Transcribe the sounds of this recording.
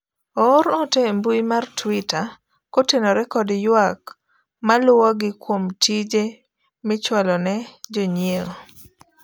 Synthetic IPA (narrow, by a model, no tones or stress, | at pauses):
ɔɾɔtembuimartwita | kotenoɾɛkɔdjwak | malʊɔɡɪkwomtʰid͡ʒe | mɪt͡ʃwalɔnɛd͡ʒoɲjeo